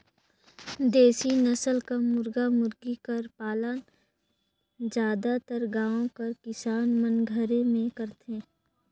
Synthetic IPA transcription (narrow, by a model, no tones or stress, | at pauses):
d̪eːsinəsəlkamʊɾɡamʊɾɡikəɾpaːlən | d͡ʒjaːd̪at̪əɾɡãːõkɐɾkɪsaːnmənɡʱəɾẽmẽkəɾt̪ẽː